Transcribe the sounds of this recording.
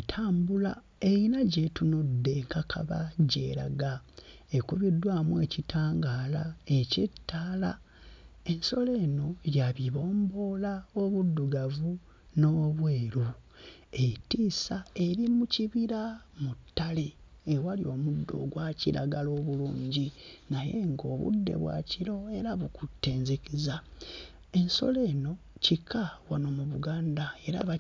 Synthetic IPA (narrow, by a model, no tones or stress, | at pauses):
tʰaːmbula | e̞inaɟetunodːe̞ŋkakʰa̰βa̰ɟe̞̰ːɾa̰ɡaekuβidːwaːmwe̞citaːŋɡaːlaecitːaːla | e̞nso̞le̞ːno̞ɾjaβiβo̞ːmbo̞laoβudːuɡavu | no̞ːβweːɾu | etiːsae̞ɾimuciβiɾamutːaleːwalio̞mudːo̞̰ɡwacḭɾʔa̰ɡalo̞ːβuluːɲɟinajḛŋɡo̞ːβṵdːe̞̰βwa̰ciɾo̞e̞ɾaβukutːe̞ːɲzekiza | e̞nso̞̰le̞ːno̞cikʰawanomuβuɡaːndae̞ɾaβa